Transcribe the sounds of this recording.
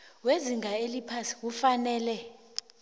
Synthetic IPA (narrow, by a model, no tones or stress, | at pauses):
weziŋʱaelipʰasi̥k̬ufanɛːlɛ